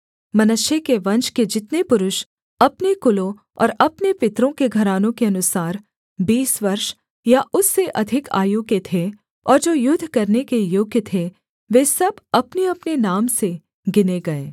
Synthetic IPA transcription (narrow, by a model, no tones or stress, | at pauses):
mɐnʊʃjekeʋɐ̃nt͡ʃked͡ʒɪt̪nepʊɾʊʃ | ɐpnekʊlõ | ɔ̰ːɾɐpnepɪt̪ɾõkeɡʱɐɾaːnõkeɐnʊsaːɾ | biːsʋɐɾʃ | jaʔʊsːeʔɐd̪ʱɪka̰ːjʊɡjet̪ʰe | ɔːɾd͡ʒoːjʊd̪ʱːkɐɾnekejoːɡjət̪ʰe | ʋeːsɐbɐpneɐpnenaːmse | ɡɪneɡɐeː